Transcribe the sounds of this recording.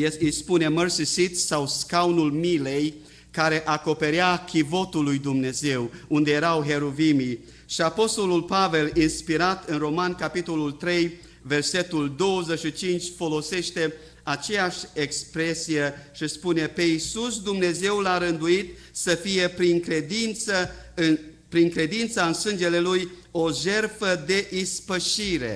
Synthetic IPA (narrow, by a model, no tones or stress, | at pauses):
ijspune̞mərsisit̪sawskawunulmile̞j | kaɾe̞ʔako̞pe̞ɾjakʰʲivo̞t̪ulːujd̪umne̞ze̞wund̪eje̞ɾawɦe̞ɾovimi | ʃiapo̞st̪o̞lulpave̞linspiɾat̪ɨnro̞mankapit̪o̞lult̪ɾe̞j | ve̞rse̞t̪uld̪o̞wəzeʃit͡ʃint͡ʃʲfo̞lo̞se̞ʃt̪e̞ | at͡ʃe̞jaʃʲekspɾesije̞ʃispune̞pe̞isusd̪umne̞ze̞wlaɾɨnd̪uit̪ | səfije̞pɾiŋkɾe̞d̪int̪səɨ | pɾiŋkɾe̞d̪int̪saɨnsɨnd͡ʒe̞le̞luj | o̞ʒe̞rfəd̪e̞ʔispəʃiɾe̞̰